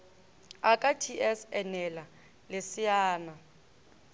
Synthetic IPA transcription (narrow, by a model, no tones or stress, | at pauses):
akʼatʰiʔɛsɛnɛla | lɪsɪjaːna